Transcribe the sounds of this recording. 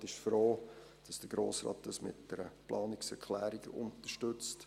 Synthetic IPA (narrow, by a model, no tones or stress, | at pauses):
tɪʃfɾoː | d̥ɑsd̥əɡ̥ɾo̰ːsɾɑ̰ːt̚d̥ɑsmɪ̰t̚d̥ɛɾəplʔɑːnɪksɛɾkʰlæːɾiɡ̥əʔʊ̰ntərʃtɵt͡st